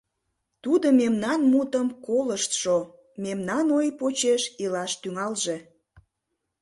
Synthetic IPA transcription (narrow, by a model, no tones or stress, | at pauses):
t̪ud̪omemnɑnmut̪əmkoləʃt̪ʃo | memnɑnojpot͡ɕeʃilɑʃt̪yŋɑlʒe